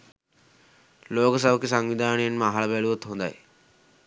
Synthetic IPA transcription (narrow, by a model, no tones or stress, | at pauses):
loːksabkesaŋʋid̪ʱaːnenmaɦalabɛluot̪ɦõnd̪a̰j